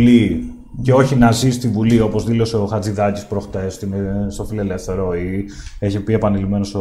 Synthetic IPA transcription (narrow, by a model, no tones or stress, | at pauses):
li | ceo̞çinɐzist̪ivulio̞po̞zðilo̞seoxɐd͡ziðɐcispɾo̞xt̪est̪inst̪o̞file̞le̞fθe̞ɾoieçepie̞pɐnilime̞nos